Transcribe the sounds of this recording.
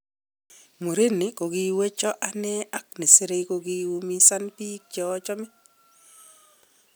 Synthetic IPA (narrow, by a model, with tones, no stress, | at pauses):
mo˨ɾe˦nɪ˨˦ko˨ɡi˦we˦t͡ʃɔ˦ʔa˦nɛ˦ʔa˦k̚nɪ˨se˦ɾe˦˧ko˧ɡi˦wu˦mi˦sa˦npi˦k̚t͡ʃɔ˨˦t͡ʃɔ˦mɪ˦